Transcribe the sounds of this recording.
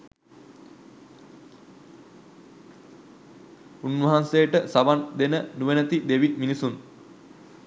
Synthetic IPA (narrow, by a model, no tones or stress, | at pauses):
unʋɐɦansejəʈəsaʋand̪enənuʋenət̪id̪eʋiminisun